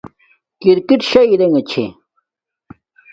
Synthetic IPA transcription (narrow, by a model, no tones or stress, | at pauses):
kiɾkiʈɕɐiɾeŋet͡ɕʰḛ